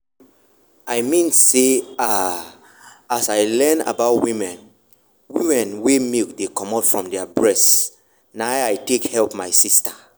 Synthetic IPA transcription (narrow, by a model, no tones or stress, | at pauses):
aɪmĩnsea | asaɪlɛ̃na̰baʊtwĩmɛ̃n | wimɛ̃nwemikdekɔ̃matfɹɔ̃mdɛabɹɛs | naʊajtekhɛlpmaɪsista